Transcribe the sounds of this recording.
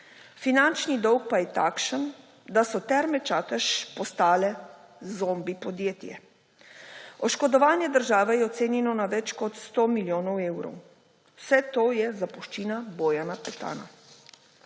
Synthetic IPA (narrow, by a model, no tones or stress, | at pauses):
finant͡ʃnid̪ɔwk̚pajɛt̪aːkʃən | d̪asɔt̪ɛɾmɛt͡ʃaːt̪əʃpɔst̪aːlɛ | zombipɔd̪jeːt̪jɛ̰ | ɔʃkɔd̪ɔʋaːnjɛd̪əɾʒaːʋɛjɛɔt̪seːnjɛnɔnaʋɛt͡ʃkɔt̪st̪oːmiljoːnɔweːwɾɔ̰w | wsɛt̪oːjɛzapuʃt͡ʃiːnaboːjanapɛt̪a̰ːna̰